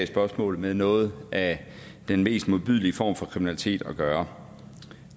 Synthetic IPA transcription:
sb̥ɶɐsmɔ̰̽ːlð̩ˠmeðˠnɔ̽ːð̞̩ˠʔæ | d̥enme̝̰ːsd̥mo̝ðˠb̥yð̞̰ˠliəfɒ̰ːmfɒ̽kʰʁiminæli̥t͡sʰe̝̰ːd̥ɒ̽ɡ̥ɶːɐ

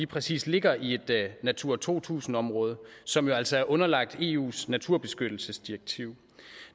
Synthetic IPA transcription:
iːpʰʁɛsḭːsle̝ɡ̥ɐʔie̝d̥næt͡sʰuɐ̰t͡sʰo̝̰ːt͡sʰṵːsn̩ɒ̽mʁɔ̽ːð̞ˠəsɒ̽mjo̝æl̰sɒ̽æɐʔɔ̽nɐlɑ̈ɡ̥̚d̥e̝ːṵːsnæt͡sʰuɐb̥e̝sɡ̥ød̥l̩səsd̥iɐɡ̥̚t͡sʰiʊ̰

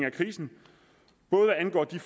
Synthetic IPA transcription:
ŋækʰʁiːsn̩ | b̥ɔ̽ːð̞̩ˠʋæænɡ̥ɒ̰ːd̥if

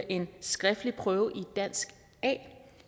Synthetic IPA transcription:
ʔe̝nsɡ̥ʁɛfd̥lipʰʁœːʊʔid̥æn̰sɡ̥ | ɛ̰ː

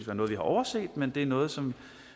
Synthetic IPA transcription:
ʋ̥æɐnɔːð̩ˠʋihɑ̈ʔɒʊɐse̝̰ːd̥mend̥e̝æɐnɔ̽ːð̞̩ˠsɒ̽m

